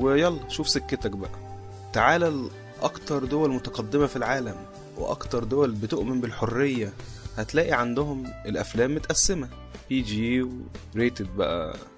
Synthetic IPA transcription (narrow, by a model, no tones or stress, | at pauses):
wejɑlːɑʃuːfsekːet̪ækbæʔæ | t̪aʕaːlæl | ʔɑkt̪ɑɾˤd̪owælmot̪ɑqɑd̪ːemæfilʕaːlæm | wḛʔɑ̰kt̪ɑɾˤd̪owælbet̪oʔmembelħorːejːæhæt̪læːʔiʕand̪oɦomelʔæflæːmːot̪ʔæsːemæ | piːd͡ʒiːweɾeːt̪ed̪̚bæ̰ʔæ̰